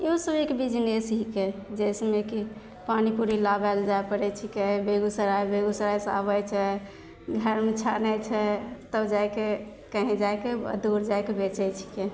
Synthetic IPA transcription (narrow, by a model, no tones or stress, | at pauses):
eusəbekbid͡ʒnesɦiked͡ʒɛjsmeki | panipuɾilabɛld͡ʒaepəɾɛt͡ʃʰikebeɡusəɾajbeɡusəɾajsa̰bət͡ʃʰɛ | ɡʱəɾmet͡ʃʰanɛt͡ʃʰɛt̪əbd͡ʒajke | kəɦĩd͡ʒajkḛd̪uɾd͡ʒajkebet͡ʃɛt͡ʃʰi̥ke